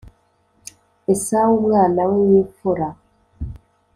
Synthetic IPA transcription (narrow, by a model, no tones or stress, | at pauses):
esawuβɣaːnaweβifuɾa